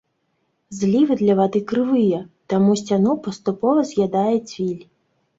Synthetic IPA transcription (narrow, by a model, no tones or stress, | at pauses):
zlʲiʋɪd̪lʲɐʋɐd̪ɪkɾɪʋɪjɛt̪ɐmusʲt͡sʲanɔpɔst̪ʊpɔʋɐzjad̪ɑjɛt͡sʲʋʲilʲ